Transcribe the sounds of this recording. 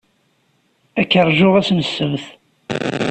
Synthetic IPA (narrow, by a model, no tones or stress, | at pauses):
ækːəɾˤʒʊʁæsnəsːəmθ